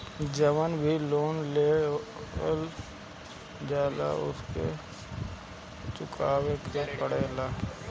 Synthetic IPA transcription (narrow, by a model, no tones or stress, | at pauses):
d͡ʒəʋənbʱiloːnleː | l | d͡ʒaːla̰ʊ̰skḛ | t͡ʃʊkʰaːwekepəɽeːlaː